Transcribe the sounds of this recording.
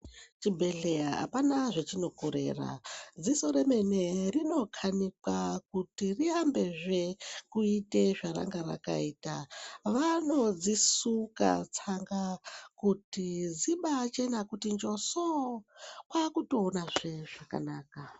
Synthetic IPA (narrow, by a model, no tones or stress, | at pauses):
t͡ʃibʱe̞ɮeaɦa̰panaʐet͡ʃino̞koɾḛːra̰d͡zisoɾe̞me̞ne̞rino̞kʰanikakutiriambe̞ʐe̞kuite̞ʐaɾa̰ŋɡaɾa̰ka̰iːtaʋano̞d͡zisuka̰t͡saŋɡakutid͡ziɓat͡ʃe̞nakutind͡ʒo̞so | kwakuto̞ːnaʐe̞ʐaka̰naːka